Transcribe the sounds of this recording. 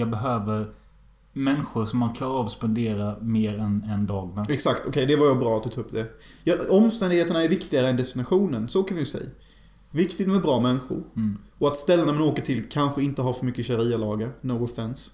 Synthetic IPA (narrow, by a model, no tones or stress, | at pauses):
jɑːbɛɦøːvəɾ | mɛnɧʊɾʂɔmːankʰlɑːɾɑːvɔspɛnd̪eːɾameːɾɛnɛnd̪ɑːɡnaɛksakt̪ʰɔkʰɛjd̪ɛvaɾjɑbɾɑːat̪d̪ɵt̪ʰuːɵp̚ːd̪ɛjɑɔmːst̪ɛnd̪ɪɡheːt̪əɳaæɾvɪkt̪ɪɡaɾəɛnd̪ɛst̪ɪnaɧuːnənsɔoːkəɾvɪjəsɛ̰j | vɪkt̪ɪɡt̪mɛbɾɑːmɛnɧʊ̰ɾ | ɔat̪st̪ɛlːənamanoːkəʈʰɪlkʰanɧəɪnt̪əɦaɾfœɾmʏkːəɕaɾiːalɑːɡənoːɡɔfɛns